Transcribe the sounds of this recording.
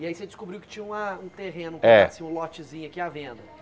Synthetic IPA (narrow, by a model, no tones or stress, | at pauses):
iaised͡ʒɪskubɾiwkɪ̥t͡ʃĩɲɐũmɐũt̪eɦẽnʊ̃ɛsĩɲũlɔt͡ʃɪzĩɲʊakiavẽnd̪ɐ